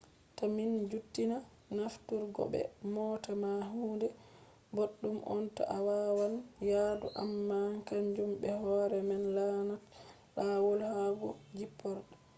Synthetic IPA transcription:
tamind͡ʒutːina | naftuɾɡɔ̰bɛ̰mɔːtamaɦuːndɛ | boɗːumʔɔ̰ntɔ̰ʔawawanjaːduʔamːakaɲd͡ʒumbɛhɔɾɛmɛnlanat | lawɔlhaɡɔd͡ʒipːɔɾɗɔ

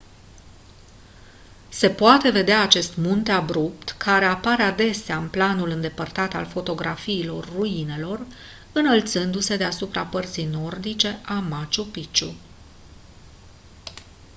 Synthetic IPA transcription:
se̞poat̪e̞ve̞d̪eaːt͡ʃe̞st̪munt̪eabɾupt̪kʰaɾe̞apaɾead̪e̞seaɨnplanulɨnd̪e̞pərt̪at̪a̰lfo̞t̪o̞ɡɾafiːlo̞rːuine̞lo̞r | ɨnəlt̪sɨnd̪use̞d̪e̞asupɾapərt̪sijno̞rd̪it͡ʃe̞ʔamat͡ʃupit͡ʃṵ

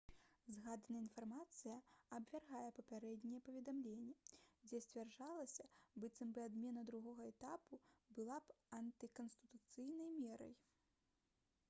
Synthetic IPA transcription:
zɣad̪nɐinfarmat̪sɨjɐɐbvʲarɣajɛpɐpʲaɾɛd̪ʲnʲɛjɛpɐvʲɛd̪amlʲenʲːɛd͡zʲɛsʲt͡sʲvʲarʐalˠɐsʲɐbɨt̪sɨmbɨad̪mʲɛnɐd̪ɾuɣɔɣɐɛt̪apubɨlˠapɐnt̪ɨkɐnst̪ɨt̪ut̪sɨjnɐjmʲɛɾɐ̰j

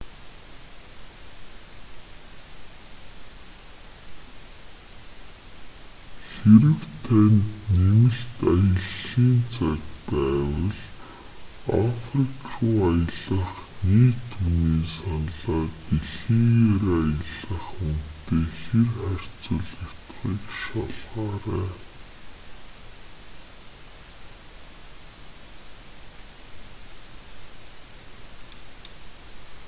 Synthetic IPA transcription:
xeɾɘ̆wt̪ʰænnemɘ̆ɬt̪ajə̆ɮiːnt͡sʰakpæːwə̆ɮ | a̰frikrʊːajə̆ɮə̆χniːt̪ʰuniːsanɮaːɡeɮiːŋeɾajə̆ɮə̆χunt̪eːxerχær̥ʲt͡sʊ̆ɮəkt̪χiːkʃaɮʁaːɾæː

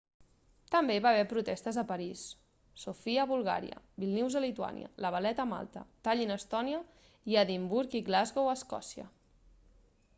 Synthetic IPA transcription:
t̪əmbeiβaβ̞ɛpɾut̪ɛst̪əzəpəɾisː | ufiəβulˠɣa̰ɾḭə̰ | bilˠniwzəlit̪ua̰nj̰ə̰ləβ̞əlɛt̪əma̰lˠt̪ə̰t̪aʎinəst̪ɔniə | iəðimbuɾkiɣlazɣowəskɔ̰siə̰

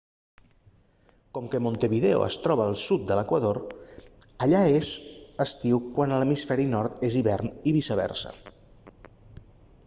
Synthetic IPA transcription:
kɔmkəmont̪əβiðeo̰ə̰st̪ɾɔβəːlˠsut̪̚d̪ələkwəðoɾ | əʎaezəst̪iwkwanələmisfɛɾinɔɾt̪eziβɛrniβisəβɛ̰rsə̰

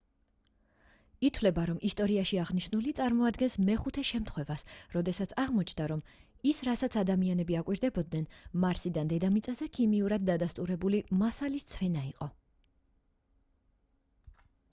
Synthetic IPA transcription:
it̪ʰwlɛbaɾɔmʔist̪ʼɔɾiaʃiaʁniʃnulit̪sʼaɾmɔad̪ɡɛnsmɛχut̪ʰɛʃɛmt̪ʰχwɛvasɾɔd̪ɛsat̪sʰaʁmɔt͡ʃʰnd̪aɾɔm | isɾasat̪sʰad̪amianɛbiakʼwiɾd̪ɛbɔd̪̚nɛnmaɾsid̪and̪ɛd̪amit̪sʼazɛkʰimiuɾad̪̚ːad̪ast̪ʼuɾɛbulimasalist̪sʰvɛnaiqʼɔ

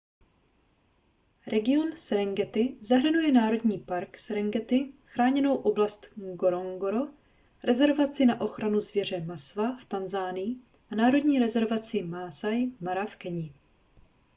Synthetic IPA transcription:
ɾɛɡɪo̞nsɾɛŋɡɛt̪ɪzaɦɾ̩nujɛnaːɾo̞dɲiːpaɾksɾɛŋɡɛt̪ɪxɾaːɲɛno̞wʔo̞blast̪ɡoɾoŋɡoɾo | ɾʔɛzɛɾvat͡sɪnaʔo̞xɾʔanuzvjɛr̝ɛmasvaft̪anzaːnɪjɪ | ʔanaːɾo̞dɲiːɾɛzɛɾvat͡sɪmaːsajmaɾafkɛɲɪ

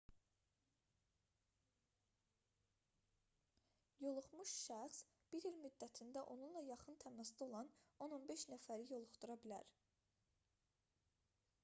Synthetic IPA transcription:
jo̞lˠuχmuʃʃæχs | b̥iɾilmyd̪ːæt̪ʰind̪æʔo̞nunlˠɑjɑχɯnt̪ʰæmæsd̪io̞lˠɑno̞no̞nbe̞ʃnæfæɾijo̞lˠuχt̪uɾɑbilæ̰ɾ

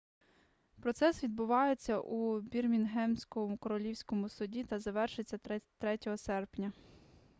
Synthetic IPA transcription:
pɾɔt̪sɛsʋʲid̪̚bʊʋɑjet͡sʲːɐʔubʲirmʲinɦɛmsʲkɔmʊkɔɾɔlʲiwsʲkɔmʊsʊdʲit̪ɐzɐʋɛrʃɪt͡sʲːɐt̪ɾɛtʲɔɦɔsɛrpnʲɐ

